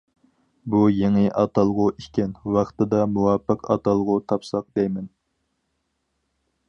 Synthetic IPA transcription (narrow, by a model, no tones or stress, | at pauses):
bujeŋɪʔɑt̪ɑlˠʁʊʔikʲɛnwɑχt̪ɨd̪ɑmuwɑːpːəqɑ̰t̪ɑlˠʁʊt̪ʰɑpsɑq̚d̪ɛjmɛn